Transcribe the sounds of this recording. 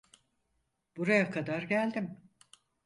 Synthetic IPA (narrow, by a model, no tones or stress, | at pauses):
b̥uɾajakʰad̪aɾɟælʲd̪im